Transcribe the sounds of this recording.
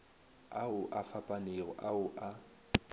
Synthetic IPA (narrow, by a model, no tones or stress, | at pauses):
aʊʔafapʼaneːɣʊʔaʊʔa